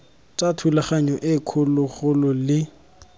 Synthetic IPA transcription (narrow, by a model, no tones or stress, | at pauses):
tʼatʰulaχaɲɔʔɪkʰʊlʊɣʊlʊlɪ